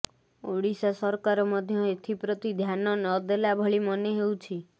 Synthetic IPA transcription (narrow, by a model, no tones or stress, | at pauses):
oɽisasɔɾkaɾɔmɔd̪ʱjɔet̪ʰipɾɔt̪id̪ʱjanɔnɔd̪elabʱɔɭimɔneɦewt͡ʃʰi